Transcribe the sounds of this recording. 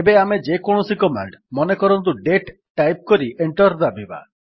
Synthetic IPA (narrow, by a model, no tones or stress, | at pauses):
ebeamed͡ʒekɔɽ̃ɔsikɔma̰ɳɖmɔnekɔɾɔnt̪̬uɖeʈ | ʈːajp̚kɔɾiʔeɳʈɔɾd̪abiba̰